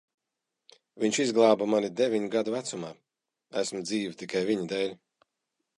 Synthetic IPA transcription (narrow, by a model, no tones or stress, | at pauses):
viɲʲt͡ʃizɡlˠaːbamanid̪evʲiɲɡad̪uvæt̪sumaː | æsmd̪ziːvʲit̪ikajviɲid̪ɛːlʲ